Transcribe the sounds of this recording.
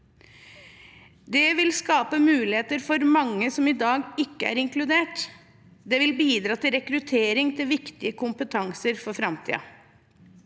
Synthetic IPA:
d̪ɛʋɪlskɑːpəmʉːlɪheːt̪əɾfɔɾmɑŋːəsɔmid̪ɑːɡɪkːəæ̰ɾɪŋklʉd̪eːʈ | d̪ɛʋɪlbiːd̪ɾɑːt̪ɪlɾɛkɾʉt̪ʰeːɾɪŋt̪ʰɪlʋɪkt̪ɪəkʰʊmpət̪ʰɑŋsəɾfɔɾfɾɑmt̪ʰḭːɑ̰

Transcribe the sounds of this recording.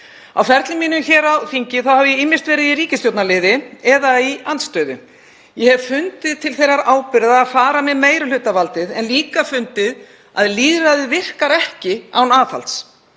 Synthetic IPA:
a̰wfɛɾt̪lɪmiːnʏmçɛːɾawθiɲcɪθawhɛvjɛɪːmːɪr̥st̪vɛːɾɪðiɾiːcɪst̪jowt̪nalɪðɪɛðaianst̪œːɥðʏ̰ | jɛhɛvfʏnt̪ɪðt̪ʰɪlθejɾaɾaːwpɪɾðaːðfaːɾamɛðmeːjɾʏl̥ʏːt̪avalt̪ɪðɛnliːkafʏnt̪ɪð | a̰ðliːðɾaðɪvɪr̥kaɾɛhcɪa̰wnaːθa̰lt̪s

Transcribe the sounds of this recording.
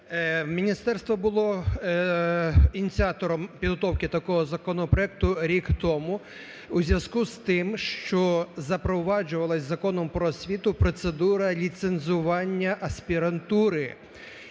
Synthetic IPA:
mʲinʲist̪ɛrst̪ʋɔbʊlˠɔ | inʲit͡sʲiɑt̪ɔɾɔmpʲid̪ɦɔt̪ɔwkɪt̪ɐkɔɦɔzɐkɔnɔpɾɔɛk̚t̪ʊɾʲikt̪ɔmʊ | uzʲʋʲjʲɐzkust̪ɪmʃt͡ʃɔzɐpɾɔʋɑd͡ʒʊʋɐlˠɐsʲzɐkɔnɔmpɾɔsʲʋʲit̪ʊpɾɔt̪sed̪uɾɐlʲit̪senzʊʋɑnʲːɐʔɐsʲpʲiɾɐnt̪uɾɪ

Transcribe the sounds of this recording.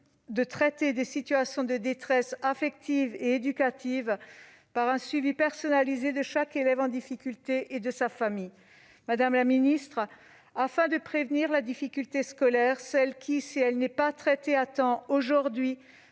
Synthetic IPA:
d̪ət̪χɛt̪ed̪esit̪yasjɔ̃d̪əd̪et̪χɛsafɛk̚t̪iveed̪ykat̪iv | paʁɛ̃sɥivipɛʁsɔnalized̪əʃakelɛvɑ̃d̪ifikʲylt̪eʔed̪əsafamij | mad̪amlaminist̪χ | afɛ̃d̪əpχevniʁlad̪ifikʲylt̪eskɔlɛʁsɛlkʲʰisiɛlnɛpat̪χɛt̪eat̪ɑ̃oʒuʁd̪ɥi

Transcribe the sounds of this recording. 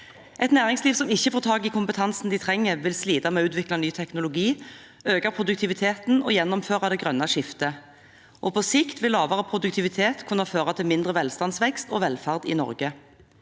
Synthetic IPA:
ʔɛt̪næːʁɪŋsliːʋsɔmɪçːəfoːʁt̪ʰɑːɡɪkʰʊmpət̪ʰɑnsn̩d̪ɪt̪ʰʁɛŋːəʁʋɪlsliːd̪ɑmɛːʉːt̪ʋɪklɑnyːt̪ʰɛknʊlʊɡiː | øːɡɑpʰʁʊd̪ʉk̚t̪ʰɪʋɪt̪ʰeːt̪n̩ɔjɛnːɔmføːʁɑd̪ɛɡʁœnːɑʃɪft̪ə | ʔɔpʰɔsɪkt̪ʋɪlːɑːʋəʁəpʰʁʊd̪ʉk̚t̪ʰɪʋɪt̪ʰeːt̪kʰʉnɑføːʁɑt̪ʰɪlmɪnd̪ʁəʋɛlst̪ɑnsʋɛkst̪ɔːʋɛlfæʁd̪ɪ̰nɔ̰ʁɡə

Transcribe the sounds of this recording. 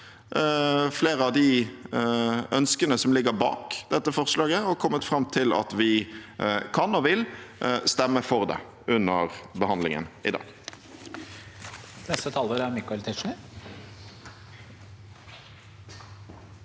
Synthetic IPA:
fleːʁəɑʋd̪ɪ | ʔœnskənəsɔmlɪɡəbɑ̰ːkd̪ɛt̪ːəfɔʁʂlɑːɡəɔkʰɔmːət̪fʁɑmːt̪ʰɪlɑ̰t̪ʋɪ | kʰɑnɔʋɪlst̪ɛmːəfɔʁd̪ɛ̰ | ʉnːəʁbəhɑnd̪lɪŋə̰nɪd̪ɑ̰ːɡ̥ | nɛst̪ət̪ʰɑːlʋoːɾæɾmɪkːʊɛlt̪ʰɪʂɳɪ

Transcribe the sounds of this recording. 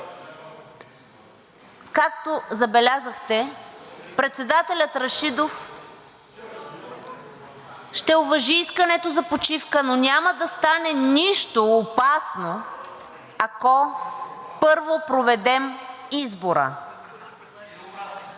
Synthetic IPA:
kak̚t̪ozɐbɛlʲazəxt̪ɛ | pɾɛt̪sɛd̪at̪ɛlʲət̪ɾɐʃid̪of | ʃt̪ɛovɐʒiiskənɛt̪ozɐpot͡ʃifkənonʲaməd̪ɐst̪anɛniʃt̪oːpasno | akɔ | pɤɾvopɾovɛd̪ɛmizboɾə̰

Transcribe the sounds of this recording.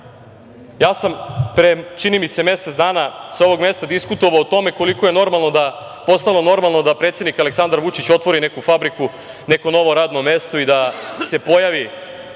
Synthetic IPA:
jaːsampɾet͡ʃinimise̞me̞set̪d̪aːnasao̞ʋo̞ɡme̞st̪ad̪iskut̪o̞ʋaot̪o̞me̞ko̞likoje̞no̞ɾmalˠno̞d̪a | po̞st̪alo̞no̞ɾmalˠno̞d̪apɾeːt̪sjed̪nikale̞ksand̪aɾʋut͡ʃit͡ɕo̞t̪ʋo̞ɾine̞kufabɾiku | ne̞ko̞no̞ʋo̞ɾaːd̪no̞me̞st̪o̞id̪ase̞po̞jaʋi

